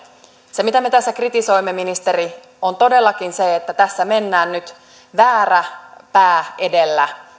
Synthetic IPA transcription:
semit̪æme̞t̪æsːækrit̪iso̞jmːeminist̪e̞ɾi | ont̪o̞de̞lːɑkinseet̪ːæt̪æsːæme̞nːæːnnyt̪ | ʋæːræpæːedelːæ

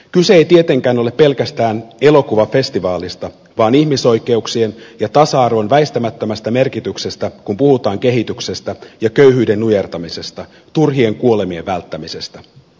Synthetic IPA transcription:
kyse̞ejt̪ie̞t̪e̞ŋkæːno̞le̞pːe̞lkæst̪æːne̞lo̞kuʋɑfe̞st̪iʋɑːlist̪ɑ | ʋɑːnihmiso̞jke̞uksie̞njɑt̪ɑsɑɑrʋo̞nʋæist̪æmæt̪ːømæst̪æme̞rkit̪ykse̞st̪ækumpuhut̪ɑːŋke̞ɦit̪ykse̞st̪æjɑkø̞yɦyːde̞nːujert̪ɑmise̞st̪ɑ | t̪urɦie̞ŋkuo̞le̞mie̞ʋːælt̪ːæmise̞st̪æ

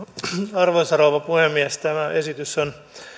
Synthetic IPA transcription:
ɑrʋosɑrouʋɑpuhemːiɛst̪æmæʔesit̪yson

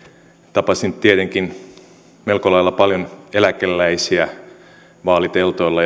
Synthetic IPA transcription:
t̪ɑpɑsint̪iet̪eŋkin | melkolɑjlːɑpɑljonelækelːæisiæ | ʋɑːlit̪elt̪oilːɑ

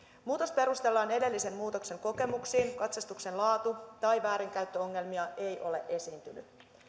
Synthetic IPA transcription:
muːt̪ospe̞ɾust̪e̞lːɑːne̞de̞lːise̞mːuːt̪o̞kse̞ŋko̞ke̞muksiːŋkɑt̪sɑst̪ukse̞nlɑːt̪ut̪ɑjʋæːɾiŋkæyt̪ːøo̞ŋːe̞lmiɑʔe̞jʔo̞le̞̰ʔe̞siːnt̪yny̰

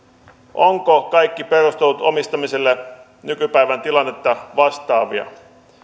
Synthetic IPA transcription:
ʔoŋkokɑjkːipe̞rust̪elut̪o̰mist̪ɑmise̞lːe | nykypæiʋænt̪ilɑnːet̪ːɑʋɑst̪ɑːʋiɑ̰

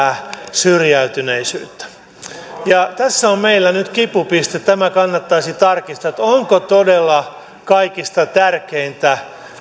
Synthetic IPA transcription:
syrjæyt̪yneisy̰ːt̪ːæ̥ | jɑt̪æsːommeilːænyt̪kipupist̪et̪t̪æmækɑnːɑt̪ːɑisit̪ɑrkist̪ɑt̪oŋkot̪odelːɑ | kɑikist̪ɑt̪ærkeint̪æ

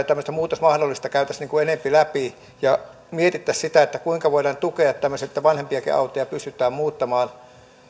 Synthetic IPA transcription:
t̪æmːøst̪æmuːt̪osmɑhdolːist̪ɑkæyt̪æsniːŋkuenempilæpi | jɑ | miet̪it̪ːæssit̪æet̪ːækuiŋkɑʋoiɾɑːnt̪ukeɑt̪t̪æmːøset̪ːæʋɑnhempiɑkḭɑ̰ut̪ojɑpyst̪yt̪ːˑæːmmuːt̪ːɑmɑːn

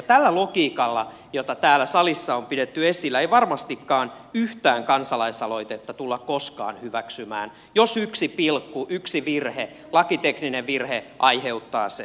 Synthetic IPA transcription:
t̪ælːælokiːkɑlːɑ̰ | jot̪ɑt̪æːlːæsɑlisːɑompidet̪ːyesilːæeiʋɑrmɑst̪ikːɑːn | yht̪æːŋkɑnsɑlɑisɑloit̪et̪ːɑt̪ulːɑkkoskɑ̰ːnhyʋæksymæ̰ːn | josyksipilkːuʔyksiʋirhe | lɑkit̪eknineʋirheʔɑiheut̪ːɑ̰ːse

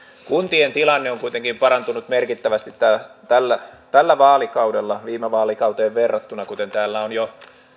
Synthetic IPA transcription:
kunt̪ient̪ilɑnːeoŋkuit̪eŋkimpɑɾɑnt̪unut̪merkit̪ːæʋæst̪it̪t̪ːæt̪ælːæt̪ælːæʋɑːlikɑudelːɑʋiːmeʋɑːlikɑwt̪eːʋʋerːɑt̪ːunɑkut̪ent̪æːlːæonjo

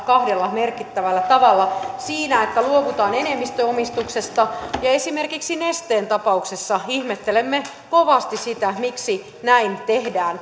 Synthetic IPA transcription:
kɑhdelːɑmerkit̪ːæʋælːæt̪ɑʋɑlːɑsiːnæet̪ːæluokut̪ɑːnenemːist̪øomist̪uksest̪ɑjɑesimerkiksinest̪eːnt̪ɑpɑuksesːɑihmet̪ːelemːe | koʋɑst̪isit̪æmiksi | næint̪ehdæːn

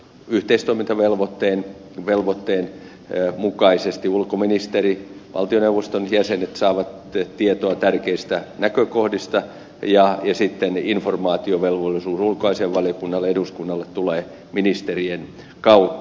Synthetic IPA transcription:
yht̪eist̪oimint̪ɑʋelʋot̪ːeːn | ʋelʋot̪ːeːn | mukɑisest̪iulkominist̪eriʋɑ̰lt̪ioneuʋːost̪onjæsenet̪sɑːʋɑt̪ | t̪iet̪oɑt̪ærkeist̪ænækøkohdist̪ɑ | jɑjɑsit̪ːeninformɑːt̪ioʋelʋolːˑisuːsulkoɑiseeʋʋɑlijokunːɑlːeeduskunːɑlːet̪t̪uleː | minist̪erien | kɑut̪ːɑ

